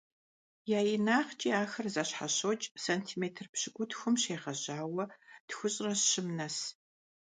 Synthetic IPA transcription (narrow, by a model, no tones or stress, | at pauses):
jaːjɪnaːχt͡ʃʼiaːxɐrzɐɕħaɕot͡ʃʼsɐntʰiːmeːtʰɨrpɕɪɡʷʊtxʷʊmɕeːʁɐʑaːwɐtxʷʊɕʼrɐɕɪmnɐs